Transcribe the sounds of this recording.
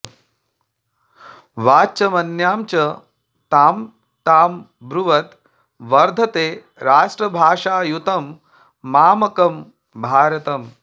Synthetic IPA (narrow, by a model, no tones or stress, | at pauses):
ʋaːt͡ʃɐmɐnjaːmt͡ʃɐ | t̪aːm | t̪aːm | bɾuʋɐt̪ | ʋɐɾd̪ʱɐt̪eː | ɾaːʂʈɾɐbʱaːʂaːjut̪ɐmː | aːmɐkɐm | bʱaːɾɐt̪ɐm